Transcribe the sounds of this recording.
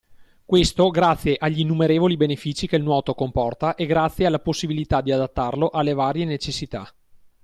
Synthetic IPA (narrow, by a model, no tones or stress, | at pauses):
kwest̪oɡɾat̪sːjeʔaʎːinːumeɾeːvolibenefiːt͡ʃikelnwɔːt̪okompɔrt̪aʔeɡɾat̪sːjealːaposːibilit̪ad̪iad̪at̪ːarloʔalːevaːɾjenet͡ʃesːit̪a